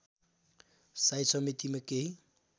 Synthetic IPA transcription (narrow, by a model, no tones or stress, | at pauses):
sajsɔmet̪imekeɦi